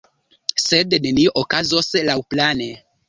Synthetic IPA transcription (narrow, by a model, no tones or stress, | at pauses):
sedneniʔokazoslawplane